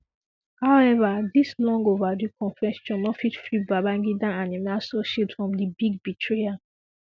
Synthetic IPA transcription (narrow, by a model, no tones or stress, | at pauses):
haʊɛvadislɔ̃ŋɡovadukʰɔ̃nfɛ̃stɔ̃nːɔfitfɹibabãŋɡidãanimasɔʃipsfɹɔ̃mdibiɡ̚bitʰɹea